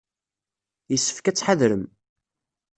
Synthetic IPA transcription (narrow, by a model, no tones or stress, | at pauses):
jəsːə̥fkæt͡sːħaðɾəm